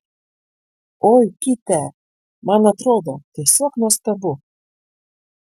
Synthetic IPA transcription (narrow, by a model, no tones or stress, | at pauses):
oːjkʲɪt̪ʲɛ | mɑnɐt̪ɾoːd̪ot̪ʲiɛsʲoːknuɔst̪ɐbʊ